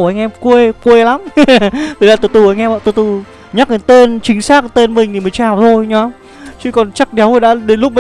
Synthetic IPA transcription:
ʔa˧jŋ̟ʔɛ˧mkwe˧kwe˧la˨˦mt̪i˨˩la̰ː˧˩t̪o˧˩t̪u˧˩a˧ŋ̟ʔɛ˧m̰ː˧˨t̪o˧˩jt̪u˧˩ | ɲa˦˥k̚ʔa˨˧˩t̪e˧nt͡ɕï˨˦ŋ̟saː˦˥k̚t̪e˧nmï˨˩ŋ̟ʰi˨˩m˨˩jt͡ɕaː˨˩wt̪ʰo˧jɲɔ˨˦ | t͡ɕɨ˨˦kɔ˨˩nt͡ɕa˦˥k̚ɗɛ˨˦wo˨˩ɗa̰ː˧˥ɗe˨˦nlʊ˦˥p̚ma˨

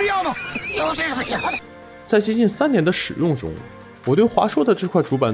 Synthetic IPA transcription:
jɑ˥˩nɐ˨˥˩ | t͡sa˥˩ɪt͡ɕi˥t͡ɕi˥˩nsa˥nnjɛ˧˥nd̪ə˧ʂɻ̩˨˩jʊ˥˩ŋʈ͡ʂʊ̰˥ŋ | wɔ˨˩t̪we˥˩ɪxwa̰˧˥ʂwɔ˥d̪ə˨ʈ͡ʂɤ˥˧kʰwa˥˩ɪʈ͡ʂu˧˥pa˨˩n

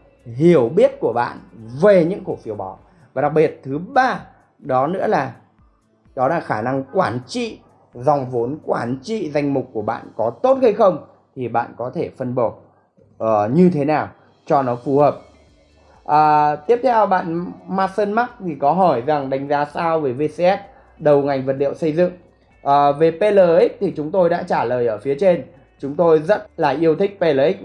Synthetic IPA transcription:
ɦi˧˩əwɓi˦˥ət̚ku˧˩əɓa̰ː˧˨nve˨˩ɲɨ̰˧˥ŋko˧˩fi˨˦əwɓɔ˨˦ | vaː˨˩ɗa˨˩k̚ɓi˨˩ət̚t̪ʰɨ˨˦ɓaː˧ | ɗɔ˨˦nɨ̰˧˥laː˨˩ | ɗɔ˨˦la̰ː˧˩xaː˧˩na˧ŋkwaː˧˩nt͡ɕḭ˧˨ | zɔ˨˩wŋ͡mvo˨˦nkwaː˧˩nt͡ɕḭ˧˨za˧jŋ̟mʊ˨˩k͡p̚ku˧˩əɓa̰ː˧˨nkɔ˨˦t̪o˦˥t̚ha˧jxə˧wŋ͡m | t̪ʰi˨˩ɓa̰ː˧˨nkɔ˨˦t̪ʰe˧˩fə˧nɓo˧˩ | ʔəː˨˩ɲɨ˧t̪ʰe˨˦naː˨˩w | t͡ɕɔ˧nɔ˨˦fu˨˩həː˨˩p̚ | ʔəː˨˩t̪i˦˥əp̚t̪ʰɛ˧wɓa̰ː˧˨nmaː˦˧səː˧nma˦˥k̚t̪ʰi˨˩kɔ˨˦ɦɔ˧˩jza˨˩ŋɗa˨˧jŋ̟zaː˨˦saː˧wveː˨˩ve˧se˧ʔɛ˦˥t̚ | ɗə˨˩wŋa˨˩jŋ̟və˨˩t̚lḭ˧˨ə˨wsə˧jzɨ̰˧˨ŋ | ʔəː˨˩ve˨˩pe˧ləː˨˩ʔi˦˥k̚t̪ʰi˨˩t͡ɕʊ˨˦ŋ͡mt̪o˧jɗa̰ː˧˥t͡ɕaː˧˩ləː˨˩jʔəː˧˩fi˨˦ət͡ɕe˧n | t͡ɕʊ˨˦ŋ͡mt̪o˧jzə̰˦˥t̚laː˨˩ʔi˧əwt̪ʰï˦˥k̟̚pe˧ləː˨˩ʔi˦˥k̚

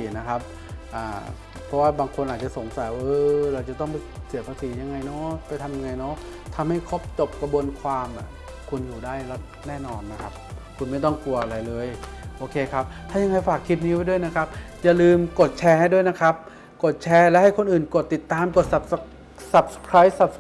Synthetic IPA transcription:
iː˨˩˦na˦˥kʰa˦˥p̚ | ʔaː˨˩ | pʰɔ˦˥waː˥˩baː˧ŋkʰo˧nʔaː˨˩t̪̚t͡ɕa˨˩so˩˦ŋsa˨˦jʔɤː˧ɾa˧wt͡ɕa˨˩t̪ɔ˥˩ŋpa˧si˨˩˦ɐpʰaː˧siː˩˦ja˧ŋːa˧jnɔ˦˥pa˧jt̪ʰa˧mja˧ŋːa˧jnɔ˦˥ʔ | t̪ʰa˧mha˥˩jkʰo˦˥p̚t͡ɕo˨˩p̚ka˧bu˧ənkʰwaː˧mʔa˨˩ | kʰu˧njuː˨˩daː˥˩jlɛ˦˥ | nɛː˥˩nɔː˧nːa˦˥kʰa˦˥p̚kʰu˧nma˥˩jt̪ɔ˥˩ŋku˧ɐʔa˧ɾa˧jlɤː˧jʔoː˧kʰeː˧kʰa˦˥p̚t̪ʰaː˥˩ja˧ŋa˧jfaː˨˩kʰːi˦˥t̪̚ni˦˥wa˧˩jdu˥˩əjna˦˥kʰa˦˥p̚ja˨˩lɯː˧mko˨˩t̪̚t͡ɕʰɛː˧ha˥˩jdu˥˩ə˨jna˦˥kʰa˦˥p̚ | ko˨˩t̪̚t͡ɕʰɛː˧lɛː˦˥ha˥˩jkʰo˧nʔɯː˨˩nko˨˩t̪ːi˨˩t̪ːaː˧mko˨˩t̪̚sa˨˩ | sa˨˩p̚skʰɾaː˦˥jsa˨˩p̚

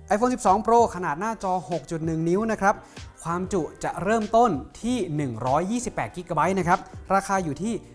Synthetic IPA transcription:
ʔa˧jfʰoː˧nsi˨˩p̚sɔː˩˦ŋpɾoː˧kʰa˧naː˨˩t̪̚naː˥˩t͡ɕɔː˧ho˨˩k̚t͡ɕu˨˩t̪̚nɯ˨˩ŋni˦˥wna˦˥kʰɾa˦˥p̚kʰwaː˧mt͡ɕu˨˩ʔt͡ɕa˨˩ʔɾɤː˥˩mt̪o˥˩nt̪ʰiː˥˩nɯ˨˩ŋɾɔː˦˥jːiː˥˩si˨˩pːɛː˨˩t̪̚ki˦˥kaː˧ba˦˥t̪̚na˦˥kʰɾa˦˥p̚ɾaː˧xʰaː˧juː˨˩t̪ʰiː˥˩

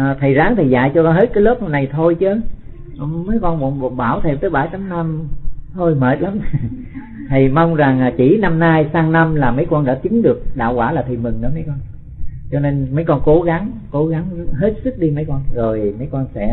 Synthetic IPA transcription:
ʔəː˨˩t̪ʰə˨˩jzaː˨˦ŋt̪ʰi˨˩za̰ː˧˨jt͡ɕɔ˧kɔ˧nɦe˦˥t̚kaː˨˦jləː˦˥p̚nə˧mna˨˩jt̪ʰo˧jt͡ɕɨ˨˦ | ʔmə˨˦jkɔ˧nvɔ̰˧n˧˨ɓaː˧˩wt̪ʰe˧˨˩mt̪əː˨˦jɓaː˧˩jt̪a˨˦mna˧mh̪ʰo˧jme˨˩t̚la˨˦m | t̪ʰi˨˩ma˧wŋ͡mza˨˩ŋː˨˩t͡ɕi˧˩na˧mnaː˧jsaː˧ŋna˧mlaː˨˩mə˨˦jkɔ˧nɗaː˧˥t͡ɕï˨˦ŋɗɨ˨˩ək̚ɗa̰ː˧˨wkwaː˧˩laː˨˩t̪ʰi˨˩mɨ˨˩ŋɗɨ̰˧˥˦mə˨˦jkɔ˧n | t͡ɕɔ˧ne˧nmə˨˦jkɔ˧nko˨˦ɣa˨˦ŋko˨˦ɣa˨˦ŋ˦ɦe˦˥t̚sɨ˦˥k̚ɗi˧mə˨˦jkɔ˧nzo˨˩jmə˨˦jkɔ˧nsɛ̰˧˥

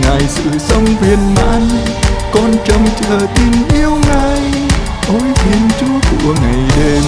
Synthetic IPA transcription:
ŋaː˧jsɨ̰˨sɔ˧ŋvi˧ənɓaː˧nkɔ˧nt͡ɕɔ˧ŋt͡ɕ̪ʰəː˧t̪i˧nʔi˧əwŋaː˧j | ʔoː˧jhʰi˧ənt͡ɕu˧ək̪ṵ˧˩əŋa˨jɗe˧

